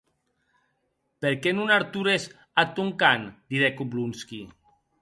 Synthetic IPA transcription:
peɾkenunaɾt̪uɾes | at̪uŋkand̪̥iɾɛkublunski

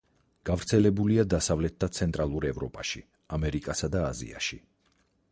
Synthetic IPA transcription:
ɡ̥avɾt̪sʰɛlɛbuliad̪asavlɛt̪̚d̪at̪sʰɛnt̪ʼɾʔalˠuɾɛvɾɔpʼaʃḭ | amɛɾikʼasad̪aːzḭa̰ʃi

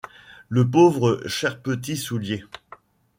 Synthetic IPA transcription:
ləpovʁəʃɛʁpət̪̬isulje

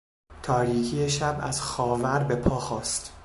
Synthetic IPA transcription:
t̪ʰɒːɾiːkʰijeʃæbæ̰z̥xɒːvæɾbe̞pʰɒːxɒːst̪

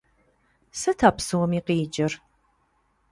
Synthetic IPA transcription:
sɐtʰaːpsɨwɔmiːqiːd͡ʒɐr

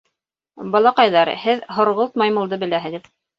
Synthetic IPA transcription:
bɑlˠɑqɑjðɑɾhɘðɦŏɾʁolˠt̪̚mɑjmɤ̆lˠd̪ɤbɘ̆læɦɘ̆ðɘð

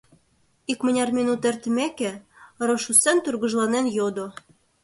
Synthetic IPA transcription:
ikmə̆nʲɑrmʲinut̪ert̪mekĕɾoʃusent̪urɣɤ̆ʒlɑnenjod̪o

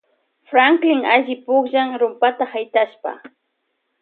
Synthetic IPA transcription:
fɾaŋklɪŋaʒɪpʊχʒaŋɾʊmpat̪ahajt̪aʃpa̰

